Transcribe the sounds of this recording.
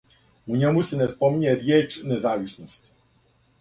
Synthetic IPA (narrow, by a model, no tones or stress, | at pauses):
uɲemusenespo̞miɲeɾjeːt͡ʂnezaːʋisnost̪